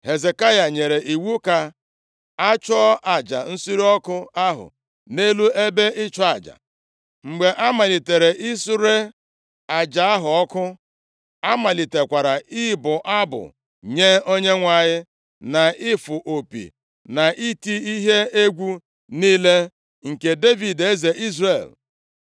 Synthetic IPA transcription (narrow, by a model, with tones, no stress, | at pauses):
he˨ze˨ka˦ja˨ɲe˨ɾe˨ʔi˨wu˦ka˨ | a˦t͡ʃɔ˦ʔa˨d͡ʒa̰˨n̩˦su˦ɾi˦ɔ˦kʊ˦a˦ɦʊ̰˨ | ne˦lu˦e˦be˦ʔɪ˦t͡ʃɔ˦a˨d͡ʒa̰˨ | ŋ͡m̩˨ɡ͡be˨ʔa˦ma˨li˨te˨ɾe˨ʔi˦su˦ɾe˦ | a˨d͡ʒa˨a˦ɦʊ˨ɔ˦kʊ˦ | a˦ma˨li˨te˨kʷa˨ɾa˨ɪ˦bʊ˨ʔa˦bʊ̰˨ | ɲe˦o˦ɲe˦ŋʷa˨ɲɪ˦ | na˨ʔɪ˦fʊ˨ʔo˨pḭ˨ | na˨ʔi˦ti˦i˦ɦe˦e˦ɡʷu˦ | niː˦le˦ | ŋ̩˨ke˨de˦vi˨de˦ze˨ʔi˦zre˨l